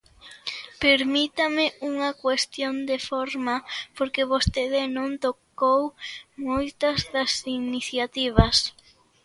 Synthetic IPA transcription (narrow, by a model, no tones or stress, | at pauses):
peɾmit̪amɪuŋɐkwest̪jond̪efoɾmapoɾkeβost̪eðɪnõnt̪okowmojt̪ɐzðɐsiniθjat̪iβ̞ɐs